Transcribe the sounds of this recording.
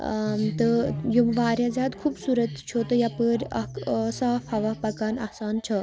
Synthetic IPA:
t̪əjoʋaːɾʲjãzʲaːd̪kʰubsuːɾət̪t͡ʃʰot̪əjapəɾʲɐ̰ksaːfhɐʋaːpɐkaːnɐ̰hsaːnt͡ʃʰɐ

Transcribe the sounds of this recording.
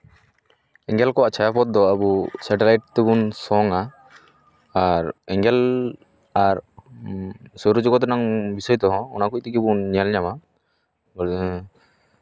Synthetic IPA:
ɛŋɡɛlkɔaʔt͡ʃʰajapɔt̪̚d̪ɔabusaʈɛlajʈ̚t̪ɛbunsɔŋa | aɾɛŋɡɛl | aɾ | sɔɾud͡ʒɔɡɔt̪naŋbisɔjt̪ɔɦɔ̃ɔ̰nakuc̚t̪ikɛbunɲalɲama

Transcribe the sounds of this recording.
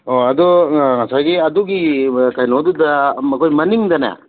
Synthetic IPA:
oɐd̪ɔŋɐsajɡiɐd̪uɡikajnod̪udɐmɐkʰojmɐniŋd̪ɐna̰

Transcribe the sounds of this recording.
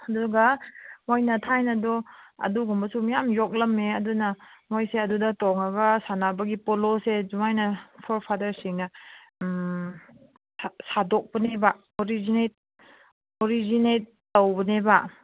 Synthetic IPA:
ɐduɡɐmojnɐtʰajnɐdɔɐ̰duɡumbɐsumijamjok̚lɐmeɐdunɐmojseɐdudɐtɔŋɐɡɐsanabɐɡipolosezuŋajnɐpʰɔɾpʰadɐɾsiŋnɐ | sasadɔk̚pɐneba | oɾizinet̚ | oɾizinet̚ːɐwbɐnebɐ

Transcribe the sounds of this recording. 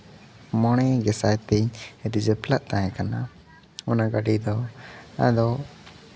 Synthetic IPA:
mɔɽ̃ɛɡɛsajt̪ɛɲɾid͡ʒɛpʰlaʔt̪ãɦɛ̃kana | unaɡaɖid̪ɔa̰d̪ɔ

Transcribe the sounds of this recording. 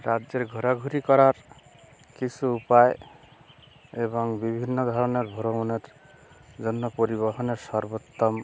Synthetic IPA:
ɾad͡ʒeɾɡʱɔɾaɡʱuɾikɔɾaɾ | kit͡ʃʰuupae | eβɔŋbibʱinːɔd̪ʱɔɾɔneɾbʱɔɾomuneɾ | d͡ʒɔnːɔpɔɾiβɔɦɔneɾsɔɾbot̪ːɔm

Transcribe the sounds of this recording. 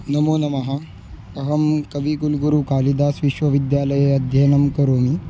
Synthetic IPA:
nɐmoːnɐmɐɦa | ɐɦɐmkɐʋiːɡulɡuɾukaːlid̪aːsʋiʃʋɐʋid̪jaːləjeɐd̪ʱjɐnɐmkɐɾoːmi

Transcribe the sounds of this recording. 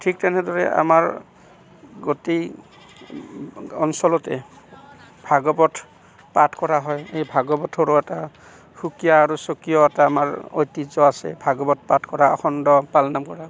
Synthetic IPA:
tʰik̚tɛnɛdɔɹɛ̰a̰maɹ | ɡotej | ɔnsɔlɔtɛ̰ | bʱaɡɔbɔtʰ | patʰkɔɹaɦɔjejbʱaɡɔbɔtʰoɹoɛta | hukijaːɹusokijɔɛtaːmaɹo̰jtizɔasɛ̰bʱaɡɔbɔt̚ʰpatʰkɔɹaɔ̰xʰɔndɔpalnamkɔɹa

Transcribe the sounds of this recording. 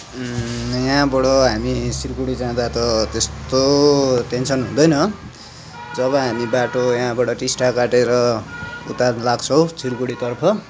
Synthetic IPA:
jaãbʌɽʌɦamisirkuɽid͡zãd̪at̪ʌt̪est̪oʈensʰʌnɦṵ̃d̪ʌjnʌ | d͡zʌβʌɦamibaʈojãbʌɽʌʈisʈakaʈeɾʌṵt̪alaɡt͡sʰʌw̃sʰirkuɽit̪ʌrpʰʌ

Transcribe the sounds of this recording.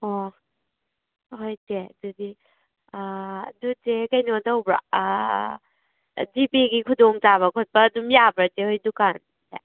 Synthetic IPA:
ɔ | ɦojtedudi | dutekajnodawbɾa̰ | dipiɡikʰudɔŋtaβɐkʰɔt̚pɐːdumjabɾatehojdukan | tḛ

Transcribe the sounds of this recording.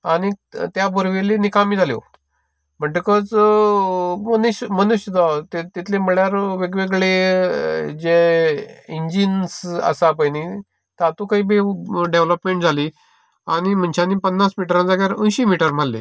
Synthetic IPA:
aɽ̃it̪jabʱuɾʋelinikamiːd͡zʱaljo̰ | m̤əɳʈəkət͡s | mənuɕmənuɕəd̪at̪et̪it̪ʰlem̤əɭjaɾʋeɡʋeɡɭe | d͡ʑe | iɲd͡ʑinsə̰sapajni | t̪at̪ukaɦiːbeɖeʋləpmeɳʈ̚d͡zʱali | aɽ̃im̤əɳt͡ɕʰanipənːasmiʈəɾãnd͡zaɡjaɾə̃nɕimiʈəɾm̤alːḛ

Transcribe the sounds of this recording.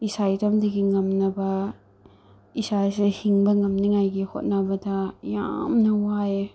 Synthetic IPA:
isajtɐmdɐɡiŋɐmnɐbɐ | isasehiŋbɐŋɐmniŋajɡiho̰t̚nabɐdɐja̰mnɐwae

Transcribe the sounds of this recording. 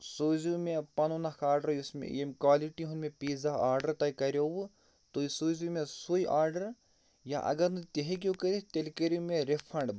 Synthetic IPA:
soːzumẽpɐnunakʰaːɾɖɐɾusmḛ̃jemkwaːliʈiɦunmẽpiːzaaːɾɖɐɾt̪ɐjkɐɾjow | t̪oisoːzumẽsoiʔaːɾɖɐɾ | ja̰ʔɐ̰ɡɐɾnɨt̪eɦek̬ʲjokɐɾit̪elkɐɾumẽɾepʰɐɳɖ

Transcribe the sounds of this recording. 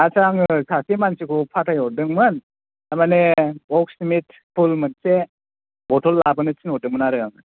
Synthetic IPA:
asaŋɯsasimansikʰupʰatʰajɔdɯŋmɯn | amaneɔk̚simit | pʰulmɯnse | bɔtʰɔlːabɐnɯt͡ʃinɔdɯŋmɯnaɾɯaŋɯ

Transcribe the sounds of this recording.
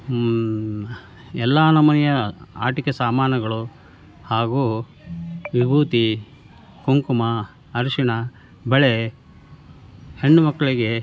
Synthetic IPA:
ɛlːanɐmɐnɛjɐa̰ːʈikesaːmaːnɐɡɐɭu | haːɡu | ʋibʱuːt̪i | kuŋkumɐː | ɾuʂiɳɐ | bɛɭe | heɳːumɐkːɐɭiɡe̞

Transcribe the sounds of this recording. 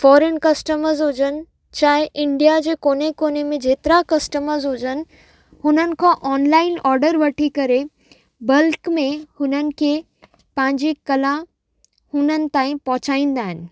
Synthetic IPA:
fɔːɾenkɐsʈəməɾzɦʊd͡ʑənɪ̆ | t͡ɕaːɦɪʔɪ̃ɳɖijad͡ʑeːkoːnekoːnemẽd͡ʑeːt̪ɾakɐsʈəməɾzɦʊd͡ʑənɪ̆ | hʊnənɪ̆kʰãːʔɔːnlaːɪnɔːɾɖəɾʋɐʈʰikɐɾe | bɐlkmẽhʊnənɪ̆kʰe | pɐ̃ɦɪ̃ɲd͡ʑikɐlã | hʊnənɪ̆t̪ãːĩpɐɦʊt͡ɕaːĩːnd̪aːɦɪnɪ̆

